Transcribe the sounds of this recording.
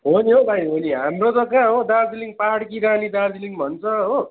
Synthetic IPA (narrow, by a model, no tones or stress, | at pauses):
ɦoniɦobʱajɦoniɦamrot̪ʌkãɦod̪ard͡ziliŋpaɦaɽkiɾanid̪ard͡ziliŋbʱʌnt͡sʰʌɦo